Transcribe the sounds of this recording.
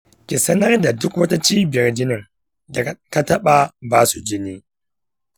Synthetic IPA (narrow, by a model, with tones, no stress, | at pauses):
kʲi˨sɐ˦nɐ˦rda˨dʊ˦kwɐ˦ta˦t͡ʃiː˦bɪ˨jɐ˦rd͡ʒɪ˦nɪ˨ŋ | da˨ka˦tɐ˦ɓa˨baː˦su˨d͡ʒɪ˦niː˦